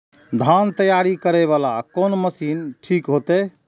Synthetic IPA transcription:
d̪ʱant̪əjaɾikəɾɛβalakonməsinʈʰikɦot̪ɛ

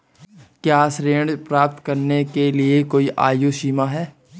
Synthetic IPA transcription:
kjaːsɾeːɳɖpɾaːp̚t̪kɐɾnekeliekoːiʔaːjoʃiːmaɦɛː

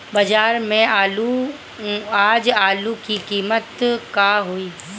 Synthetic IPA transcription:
bɐd͡ʒaːɾmẽalu | aːd͡ʒaːlukikiːmət̪kaːɦoiː

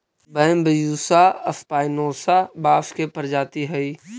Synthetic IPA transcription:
bəmbəjuːsaɐfpaːɪnoːsabaːfkepɐɾd͡ʒaːt̪iɦɛi

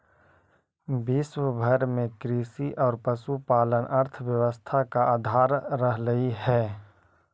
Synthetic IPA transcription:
biswəbʱəɾmẽkɾiːsiʔɔːɾpəsupaːlənʔɐɾt̪ʰʋjəʋəst̪ʰakaaːd̪ʱaːɾːəɦləiɦɛː

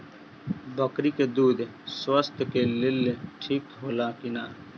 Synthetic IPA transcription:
bəkɾiːkeːd̪uːd̪swəst̪keːlɪlʈʰiːkɦoːlaːkɪnaː

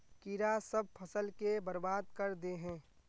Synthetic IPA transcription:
kiɾasɐb̚pʰɐsəlkebəɾbaːd̪̚kɐɾd̪eɦɛ̃ː

